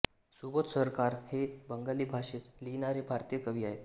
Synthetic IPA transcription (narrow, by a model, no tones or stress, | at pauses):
subət̪səɾkaɾhebəŋɡaliːbʱaʂet͡s̪linaɾebʱaɾt̪ijəkəʋiːaɦet̪